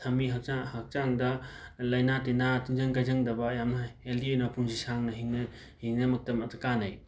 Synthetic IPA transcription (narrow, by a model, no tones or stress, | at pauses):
tʰɐmiɦak̚t͡ʃahɐk̚t͡ʃaŋdɐlɐjnatenatinzɐŋkajzɐŋdɐbɐːjamnɐeldionɐpʰuŋzisaŋnɐɦiŋnɐ | hiŋnɐmɐk̚tɐmɐtɐkanaj